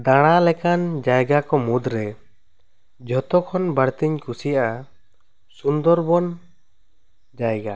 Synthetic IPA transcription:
d̪aɽ̃alɛkand͡ʒajɡakɔmud̪ɾɛ | d͡ʒʱɔt̪ɔkʰɔnbaɽt̪iɲkusijaʔa | sund̪ɔɾbɔn | d͡ʒajɡa

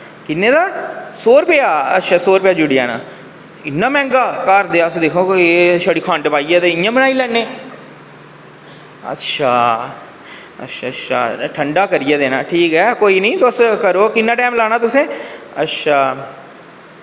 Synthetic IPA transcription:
kɪnːẽːd̪aːsoːɾpejaːə̰tːʃʰaːsoːɾpɪjaːd͡ʒʊɽiɛːna̰ː | ɪnːaːmɛ̃ːŋɡaːkaːɾd̪eaːsed̪eːkʰoːʃəɽiːkʰãːnʈepaːied̪eɪjãːmɪnaːilɛnːẽː | ə̰tːʃʰaː | ɐ̰tːʃʰatːʃʰa̰ːʈʰəɳɖaːkəɾijed̪eːnaːʈʰiːkɦɛːkoːinəĩːt̪oːskəɾoːkɪnːaːʈɛ̃ːmlaːnaːt̪ʊsẽː | ətːʃʰaː

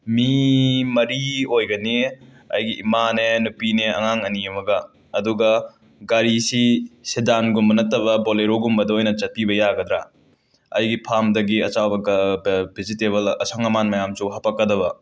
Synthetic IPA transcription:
mimɐɾiojɡɐni | ɐ̰jɡiʔːmanenupineɐ̰ŋaŋɐniemɐɡɐː | duɡɐ | ɡaɾisisedanɡumːɐnɐtːɐβɐboleɾoɡumbɐdɐojnɐt͡ʃɐt̚pibɐjaɡɐd̪ɾa̰ | ɐ̰jɡipʰamdɐɡiɐt͡ʃawbɐ | bʰʱizitebɐlɐsʰaŋɐmanmɐjamsuɦɐpɐkːɐdɐβɐ

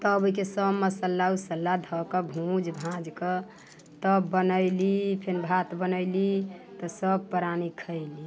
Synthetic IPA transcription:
t̪əbikesəbməsəlːausəlːad̪ʱɔkəbʱũd͡ʒbʱãd͡ʒkə | t̪ɔbːənəɪlipʰenbʱat̪bənəɪlit̪ɔsəb̚pəɾanikʰəɪli

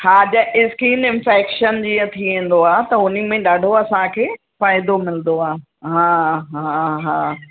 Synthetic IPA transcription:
haːd͡ʑɐʔɪskiːnɪ̃nfɛːkʃənd͡ʑiːə̃t̪ʰiʋẽːn̆d̪oaːet̪ɐʊnimẽɗaːɖʱoɐsãkʰeː | faːɪd̪omɪlnd̪oaːɦ | ɦãːɦãɦãː

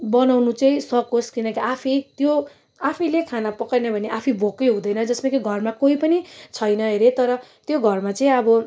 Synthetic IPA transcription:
bʌnawnut͡sʌĩsʌkoskinʌkiapʰit̪jo | apʰilekʰanapʌkarnʌbʱʌneʔapʰibʱokːʌjɦũd̪ʌjnʌd͡zʌsmakiɡʱʌrmakoipʌnit͡sʰʌjnʌɦeɾet̪ʌɾʌt̪joɡʱʌrmat͡sʌĩʌbʌ

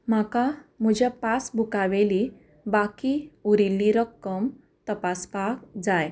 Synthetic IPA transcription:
m̤akam̤əd͡ʑapasbʱukaʋeli | bakiuɾilːiɾəkːəm | t̪əpaspak̚d͡zaj

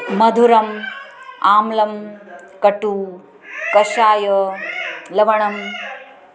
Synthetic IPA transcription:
mɐd̪ʱuɾɐm | aːmlɐmkɐʈu | kɐʃaːjɐ | lɐʋɐɳɐm

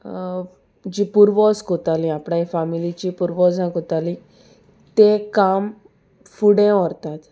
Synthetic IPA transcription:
d͡ʑipuɾʋɔskot̪alĩapɽãifamilit͡ɕipuɾʋɔzãkot̪alĩ | t̪ekam | fuɽẽɔɾt̪at̪

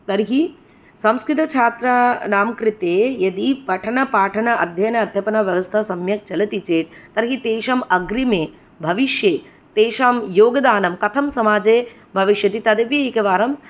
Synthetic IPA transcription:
t̪ɐɾɦi | sɐ̃mskɾɪt̪ɐt͡ʃʰaːt̪ɾɐnaːmkɾɪt̪eːjɐd̪ipɐʈʰɐnɐpaːʈʰɐnɐʔɐ̰d̪ʱjɐnɐɐd̪ʱjɐpɐnɐʋjɐʋɐst̪ʰɐsɐmjɐk̚t͡ʃɐlɐt̪it͡ʃeːt̪̚t̪ːɐɾɦit̪eːʃɐmɐɡɾimeː | bʱɐʋiʃjeː | t̪eːʃaːmjoːɡɐd̪aːnɐmkɐt̪ʰɐmsɐmaːd͡ʒeː | bʱɐʋiʃjɐt̪it̪ɐd̪ɐʋjɐikɐʋaːɾɐm

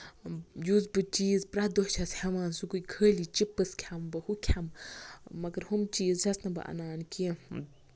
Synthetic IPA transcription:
juzbɨt͡ʃiːzpɾɐd̪oht͡ʃʰɐshɐmaːnsukuikʰəːlit͡ʃipːɨskʰʲambɐhukʲʰammɐɡɐɾhumt͡ʃiːzd͡ʒɐsnɐbɨ̰ʔɐ̰naːnki

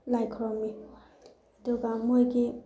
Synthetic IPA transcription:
lajkʰɔɾɔmi | duɡamojɡi

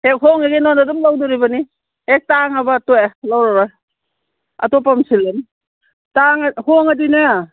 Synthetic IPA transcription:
hek̚hoŋeɡinɔnadumlawduɾibɐni | hek̚taŋɐbɐtojalawɾaɾɔj | ɐ̰tɔp̬amsilen | taŋhoŋadinɯ

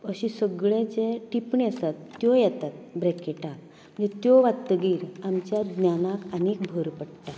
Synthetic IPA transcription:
əɕĩsəɡɭet͡seʈipɳeəsat̪ːjojɛt̪at̪bɾɛkeʈak̚ | m̤ə̃nd͡ʑet̪joʋat̪ːəɡiːɾamt͡ɕjad̪njanakənikbʱəɾpəɽʈ̪a

